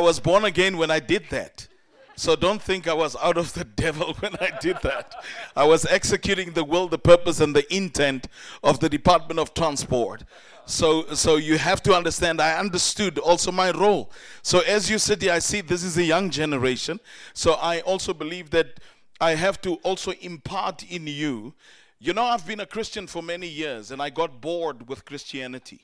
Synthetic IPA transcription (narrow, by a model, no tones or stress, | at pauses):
ɪwʌzbɔɹnɨɡɛ̃nwə̃naɪdɪd̪̚ðæ̰t̚ | soʊdõʊ̃nθɪ̃ŋkaɪwʌzaʊɾʌvðɨdɛvl̩ˠwɛ̃naɪdɪd̪̚ðætaɪwʌzɛksɨkʰjʉɾɪ̃ŋðəwɪlˠðəpʰɜ˞pəsɨ̃nðiʔɪ̃ntʰɛ̃ntʌvðɨdɨpʰɑɹt̚mə̃ntʌv̥tʰɹ̥æ̃nspɔ̰ɹt | soʊsoʊjɨɦæftuʌ̃ndə˞stæ̃ndaɪʌ̃ndə˞studɔlˠsoʊmaɪɹoʊlˠsoʊɨzjɨsɪtiaɪsiðɪs̬ɨzɨjʌ̃ŋd͡ʒɛnəɹeɪʃɨ̃nsoʊʔaɪʔɔlˠsoʊbɨlivðɨɾ | aɪɦæftuʔɔlˠsoʊʔɪ̃mpʰɑɹtʰɪ̃nju | junoʊaɪvbĩnəkʰɹ̥ɪst͡ʃɨ̃nfɔ˞mɛnijɪɹzɨ̃naɪɡɔt̚b̥ɔɹd̚wɪð̥kʰɹ̥ɪst͡ʃiænɨtʰi